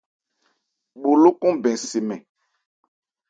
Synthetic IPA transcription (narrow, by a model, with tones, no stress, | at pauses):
ɓo˨lo˦kũ˦bɛ̃˨si˨mɛ̃˨